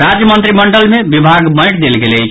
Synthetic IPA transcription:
ɾad͡ʒjəmənt̪ɾiməɳɖəlmebibʱaɡmə̃jʈd̪elɡelɛt͡ʃʰ

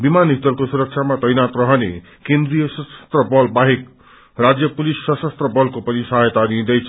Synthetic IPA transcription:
bimanit̪ʌrkosuɾʌk̚t͡sʰamat̪ʌjnat̪rʌɦʌnḛ | kend̪rijʌsʌsʌ̥st̪rʌbʌlbaɦek̚ | rad͡zjʌpulisːʌsʌst̪rʌbʌlkopʌnisaɦjt̪ad̪ĩd̪ʌjt͡sʰʌ

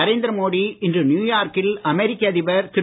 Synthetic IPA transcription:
ɐɾeːnd̪ɐɾɐmoːɽiɪndrɯnjuːjaːɾkɪlɐmɛɾɪkːɐːðɪʋɐɾt̪ɪɾ

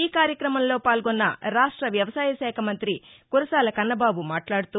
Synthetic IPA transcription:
iːkaːɾjɐkɾɐmɐmlo̞ːpaːlɡonːɐ̰ɾaːʂʈɾɐʋjɐʋɐsaːjɐʃɛːkʰɐmɐnt̪ɾi | kuɾɐsaːlɐkɐnːɐbaːbumaːʈlaːɽut̪u

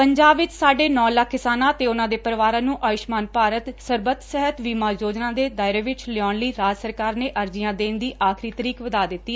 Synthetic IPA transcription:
pəɲd͡ʒaːbʋɪt͡ʃsaːɖeːnɔ̃ːləkʰːɪsaːnãːt̪eːʊnãːd̪eːpəɾʋaːɾãːnũːʔaːʋɪʃmaːnpaːɾət̪səɾbət̪sɛɦət̪ʋiːmãːjoːd͡ʒnãːd̪eːd̪aːɪɾeːʋɪt͡ʃlɪɔːnləiːɾaːd͡ʒsəɾkaːɾneːʔəɾd͡ʒɪjãːd̪eːnd̪iːʔaːkʰɾiːt̪əɾiːkʋəd̪aːd̪ɪt̪ːiː

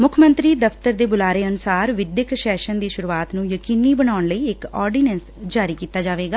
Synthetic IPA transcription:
mʊkʰmə̃nt̪ɾiːd̪əfʰt̪əɾd̪eːbʊlaːɾeːənʊsaːɾʋɪd̪jəkʃɛːʃənd̪iːʃʊɾuːaːt̪nũːjəkiːniːbənaːɳləiːɪkɔːɾɖiːnɛ̃ːns | d͡ʒaːɾiːkiːt̪aːd͡ʒaːʋeːɡaː

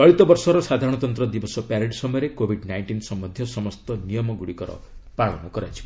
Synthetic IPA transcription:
ɔɭit̪ɔbɔɾsɔɾɔsad̪ʱaɾɔɽ̃ɔt̪ɔnt̪ɾɔd̪ibɔsɔpaɾeʈsɔmɔjɔɾekobʱiɖnajɳʈinsɔmːɔd̪ʱjɔsɔmɔst̪ɔnijɔmɔɡuɽikɔɾɔ̰ | pɾaɭɔ̰nɔkɔɾajt͡ʃʰi̥

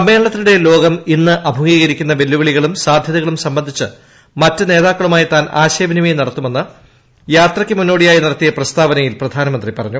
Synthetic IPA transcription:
ɐme̞ːɭɭɐt̪ːiluɽe̞lo̞ːɡɐminːɨʔɐbʱɐɣiːɣɐɾikʲːunːɐʋe̞lːuʋɐɭiɣɐɭumsaːd̪ʱjɐðɐɣɐɭumsɐmbɐnd̪ʱit͡ɕːɨ | mɐtːɨne̞ːðaːkːɐɭumaːjit̪aːnʔaːɕeːbɐnimejnɐɽɐt̪ːume̞nːɨ | jaːt̪rɐkʲːɨmunːo̞ːɽijaːjinɐɽɐt̪ːijɐprɐst̪aːʋɐnɐjilprɐd̪ʱaːnɐmɐnd̪ripɐrɐɲːu

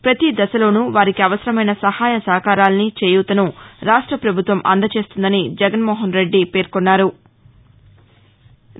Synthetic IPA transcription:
pɾɐt̪id̪ɐsɐlo̞ːnuːʋaːɾikiɐʋɐsɐɾɐmɐjnɐsɐhaːjɐsɐɦɐkaːɾaːlɐnit͡ʃeːjuːt̪ɐnuɾaːʂʈɾɐpɾɐbʱut̪ʋɐmʔɐ̰nd̪ɐt͡ʃe̞ːst̪und̪ɐnid͡ʒɛɡɐnmɔːɦɐnɾe̞ɖːipe̞ːɾkonːaːɾu

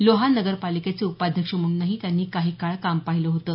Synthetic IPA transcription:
loɦanəɡəɾpaliket͡seupad̪ʱjəkʂəm̤əɭuːnːaɦiːt̪janːiːkaɦiːkaɭkampaɦiləɦot̪ə

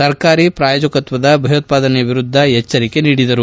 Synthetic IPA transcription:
sɐɾkaːɾipɾaːjoːd͡ʒɐkɐt̪ʋɐd̪ɐbʱɐjɐt̪̚paːd̪ɐneɐʋiɾud̪ʱːɐɦɛt͡ʃːɐɾike̞niːɽid̪ɐɾu

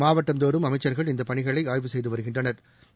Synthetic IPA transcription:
maːʋɐʈːɐmd̪oːɾɯmɐmɐɪt͡ʃːɐɾɣɐɭɪnd̪ɐpɐɳɪɣɐɭɐɪaːjʋɯsɛjðɯʋɐɾɯɣɪndrɐnɐɾ

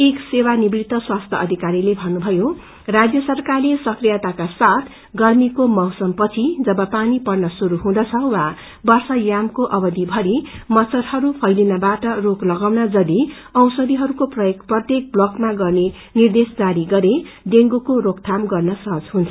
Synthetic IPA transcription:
eksewanibɾit̪ːʌswast̪ʰʌʌd̪ʱikaɾilebʱʌnubʱʌjo | rad͡zjʌsʌrkarlesʌkrijat̪akasat̪ʰ | ɡʌrmikomʌɦsʌmpʌt͡sʰid͡zʌbʌpanipʌrnʌsuɾuɦũd̪ʌt͡sʰʌwa | bʌrsʌjamkoʔʌbʌd̪ibʱʌɾimʌt͡sʌɾɦʌɾupʰʌjlinʌbaʈʌroklʌɡawnad͡zʌd̪i | ʌwsʌd̪iɦʌɾukoprʌjkprʌt̪jek̚blʌkmaɡʌrne | nird̪esd͡zaɾiɡʌɾe | d̪eŋɡukoɾokt̪ʰamɡʌrnʌsʌɦʌd͡zɦunt͡sʰʌ

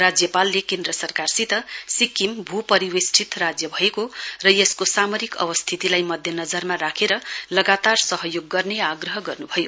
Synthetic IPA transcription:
rad͡zjʌpalːekend̪ɾʌsʌrkarsit̪ʌsikimbʱupʌɾiwesʈʰit̪rad͡zjʌbʱʌekorʌjeskosamoɾikʌ̰bʌst̪ʰit̪ilajmʌd̪ʱjʌnʌd͡zʌrmaɾakʰeɾʌlʌɡat̪arsʌɦʌjoɡːʌrneaɡrʌɦʌɡʌrnubʱʌjo

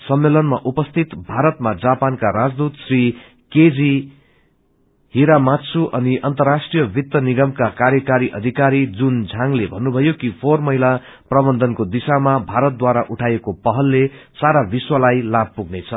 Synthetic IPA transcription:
sʌmːelʌnmaʔupʌst̪ʰit̪bʱaɾʌt̪mad͡zapankaɾad͡zd̪ut̪sri | ked͡zi | ɦiɾamat͡sʰuʔʌniʔʌnt̪ʌrːasʈrijʌbʱit̪ːʌniɡʌmkakarjʌkaɾiʔʌ̰d̪ʱikaɾid͡zund͡zʱaŋlebʱʌnːubʱʌjokipʰormʌɦila | prʌbʌnd̪ʱʌnkod̪isamabʱaɾʌt̪̚d̪waɾaʔuʈʰaekopʌɦʌlːesaɾabiswalajlab̚puɡnet͡sʰʌ

